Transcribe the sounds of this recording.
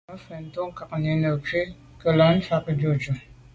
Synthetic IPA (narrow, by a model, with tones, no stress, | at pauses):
a˦fɛ˨n̩˨to˦ŋ˦ka˨k̚ne˨nə˨ke˦ | kə˨la˨˦n̩˦fa˦kə˦d͡ʒo˨d͡ʒu˨